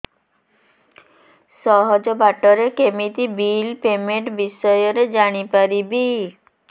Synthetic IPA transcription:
sɔɦod͡ʑobaʈɔɾekemit̪ibilpemeɳʈbisɔjoɾed͡ʑaɽ̃ipaɾibi

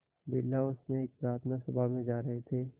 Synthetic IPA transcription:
bɪlːaʊsmẽeːk̚pɾaːɾt̪ʰnasɐbʱamẽd͡ʒaːɾɐɦet̪ʰeː

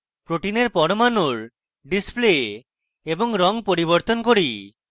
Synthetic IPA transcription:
pɾoʈineɾpɔɾmanuɾ | ɖisple | eboŋɾɔŋpoɾiboɾt̪onkoɾi

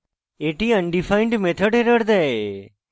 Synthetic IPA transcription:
eːʈiːəɳɖifʰaːɪɳɖmeːt̪ʰəɖeɾəɽd̪ɛe

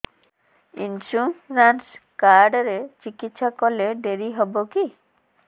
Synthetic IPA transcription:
ḭnsuɾanskaɾɖɾet͡ɕikit̪ːʃɔkoleɖeɾiɦɔboki

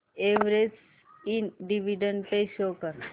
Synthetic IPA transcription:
eʋɾes | inɖiʋiɖəɳɖpeʃoːkəɾ

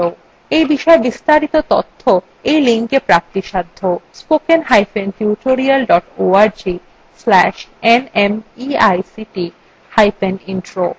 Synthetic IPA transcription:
o | ejbiʃɔebist̪aɾit̪ot̪ot̪ʰːo | ejliŋkepɾak̚t̪iʃad̪ʱːospokenɦajfentjuʈoɾialɖɔʈoaɾd͡ʑi | slɛʃenemiajsiʈi | hajpeninʈɾo

